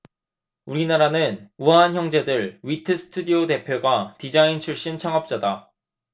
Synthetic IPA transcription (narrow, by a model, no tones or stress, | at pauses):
uɾinaɾanɯnuɦançjʌŋd͡ʑe̞dɯɭɥitʰɯsʰɯ̥tʰudiote̞pʰjoɡwatid͡ʑaint͡ɕʰuɭɕ͈int͡ɕʰaŋʌp̚t͡ɕ͈ada